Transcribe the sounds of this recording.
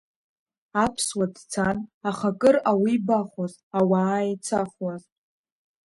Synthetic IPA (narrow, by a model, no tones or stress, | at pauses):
apʰswadt͡sʰanaχakʼɨrawibaχaz | awaːit͡sʰaχwaztʼ